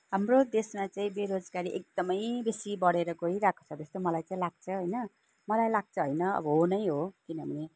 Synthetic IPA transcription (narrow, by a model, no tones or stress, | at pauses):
ɦamrod̪esmat͡saĩbeɾod͡zɡaɾiʔek̚d̪ʌmʌjbesibʌɽeɾʌɡʌɾiɾakʰo̥t͡sʰʌt̪ʌst̪omʌlajt͡saĩlaɡ̚t͡sʰʌɦojnʌ | mʌlajlaɡ̚t͡sʰʌɦojnʌʌ̰bʌɦonʌj̃ɦokinʌbʱʌne